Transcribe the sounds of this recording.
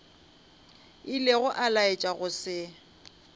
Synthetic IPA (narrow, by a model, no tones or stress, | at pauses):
ɪleɣʊʔalaet͡ʃʼaɣʊsɪ